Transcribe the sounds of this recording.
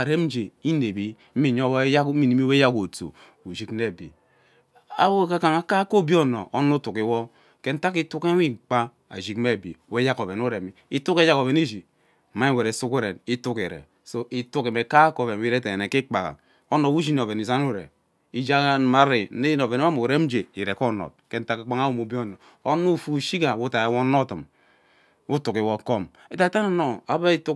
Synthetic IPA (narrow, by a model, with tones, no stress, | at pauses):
a˨ɾe˦m̩˦d͡ʒe˨i˦ne˨bi˦ | m̩˦mi˨ɲo˦bja˦ki˨ni˦mi˦we˦ja˦ko˨to̰˨ | u˨ʒi˦kne˦˨bḭ˨ | a̰˦wo˦˨ka˦ka˨ŋa˨ka˦ko˦˨˦bi˦o˦no̰˨ʔo˦no˦tu˨ki˨wɔ˦ | ke˦n̩˦ta˦ki˦tu˦ke˦i˦k͡pa˦ | a̰˨ʒi˨kme˦˨bḭ˨˦we˦ja˦ko˨βe˨nu˦ɾe˨mi˨i˦tu˦ke˦ja˦ko˨βe˨ni˦d͡ʒi˨ | ma˦i˦˨we˨ɾe˨˦su˦ku˦ɾe˨ni˦tu˦ke˨ɾḛ˨ | so˦i˨tu˦ke˨me˨ka˦ko˨ve˨n˨˦i˦ɾe˦te˨e˨ne˨ki˦k͡pa˨ka̰˨ | o˦no˨wu˦d͡ʒi˦n˨o˨ve˨ni˨za˦nu˦ɾḛ˨ | i˦d͡ʒa˦ka˦n˨ma˦ɾi˨˦ne˦i˦n˨o˨ve˨ni˦a˦mu˨ɾe˦m̩˦d͡ʒe˨i˨ɾe˨ko˦no̰˨t̚ke˦n̩˦ta˦ka˨k͡pa˦ŋa˦wu˦˨mu˨bi˦o˦˨no˨ | o˦nu˦˨fu˦˨ʃi˦ka˨wu˦ta˨e˨wo˦no˦tɨ˨m | u˦tu˨ki˨wo˨ko˦m | e˦ta˦˨ta˦no˦no˨a˨ba˦i˦tu˦